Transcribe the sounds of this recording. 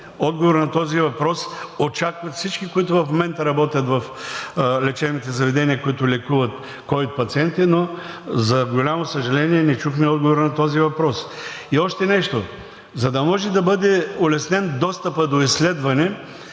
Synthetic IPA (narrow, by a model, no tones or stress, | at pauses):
ɔd̪ɡovoɾnɐt̪ɔzivɐpɾɔsot͡ʃakvɐt̪fsit͡ʃkikoit̪̬ʊvɐfmomɛnt̪ɐɾɐbɔt̪ʲjɐt̪vɐf | lɛt͡ʃɛbnit̪ɛzɐvɛd̪ɛniəkoit̪ʊlɛkuvɐt̪ | kɔjot̪̚pɐt̪siɛnt̪ino | zɐɡolʲamosəʒɐlɛniɛnɛt͡ʃuxmɛɔd̪ɡovoɾnɐt̪ɔzivɐpɾɔsiɔʃt̪ɛnɛʃt̪o | zɐd̪ɐmɔʒɛd̪ɐbɤd̪ɛolɛsnɛnd̪ɔst̪əpəd̪oislɛd̪vɐnɛ